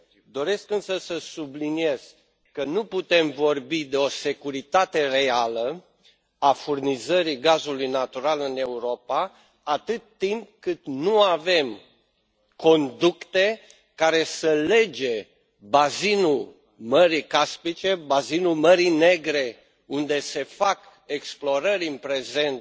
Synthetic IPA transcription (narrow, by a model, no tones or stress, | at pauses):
d̪o̞ɾe̞skɨnsəsəsublinie̞z̥ | kənuput̪e̞mvo̞rbid̪e̞o̞se̞kuɾit̪at̪e̞re̞alə | afurnizəɾiɡazulujnat̪uɾalɨne̞uɾo̞pa | at̪ɨt̪ːimp̚kɨt̪nuave̞m | ko̞nd̪ukt̪e | kaɾe̞səle̞d͡ʒe̞ | bazinul | məɾikaspit͡ʃe̞bazinulməɾine̞ɡɾe̞ | und̪e̞se̞fak | eksplo̞ɾəɾʲɨnpɾe̞ze̞nt̪